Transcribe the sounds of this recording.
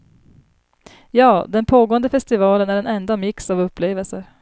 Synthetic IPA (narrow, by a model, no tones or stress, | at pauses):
jɑːd̪ɛnpʰoːɡoːənd̪əfɛst̪ɪvɑːlənæɖɛnɛnd̪amɪksavɵpːleːvəlsəɾ